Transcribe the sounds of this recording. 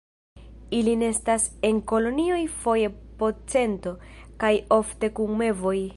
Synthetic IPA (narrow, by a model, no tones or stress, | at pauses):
iline̞stase̞ŋko̞lo̞nio̞jfo̞je̞po̞t͡se̞nto̞kajo̞fte̞kuŋme̞vo̞j